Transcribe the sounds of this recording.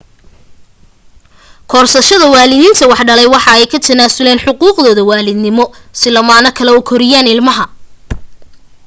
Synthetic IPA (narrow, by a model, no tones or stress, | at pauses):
kʰɔːrsɐʃɐðɐwaːlɪðiːnt̪ʰɐwɑħɖɐlɛjwɑħɑɛjkʰɐt̪ʰɐnaːsʊlɛːnħʊquːqðɔːðɐwaːlɪd̪nɪmɔsɪlɐmaːnɐkʰɐlɛʊkʰɔɾɪjaːnɪlmɐɦɐ